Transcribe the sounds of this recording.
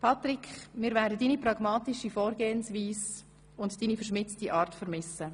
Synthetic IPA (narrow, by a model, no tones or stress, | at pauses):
pʰɑtɾɪkʰχmɪːɾvæːɾdədiːnipɾɑɡmɑːtɪʃifɔːɾɡeːənsʋiːs | ʊntd̥iːnifəɾʃmɪt͡stiʔɑːɾtfəɾmɪsə